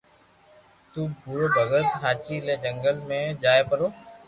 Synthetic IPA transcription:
t̪uːbʱuɾoːbʱəɡət̪ɦaːt͡ʃiːlẽːd͡ʒəŋɡəlmẽːd͡ʒaːeːpəɾoː

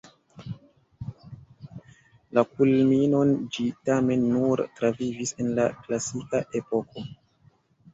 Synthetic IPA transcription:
lakulmino̞nd͡ʒitame̞nːuɾtɾavivise̞nlaklasikaʔe̞po̞ko̞

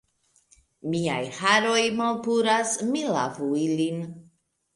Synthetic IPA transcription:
mia̰jhaɾo̞jmalpuɾasmila̰vuilin

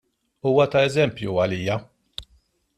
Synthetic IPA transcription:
uːwɐt̪ɐɛzɛmpjuɐliːjɐ

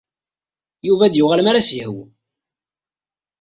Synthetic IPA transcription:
juvæd̪jʊʁalmaɾasjəhw

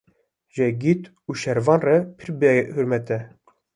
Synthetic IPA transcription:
ʒɛɡit̪ | uːʃɛɾvɑːnrɛpʰɨɾbɛhuɾmɛt̪ɛ

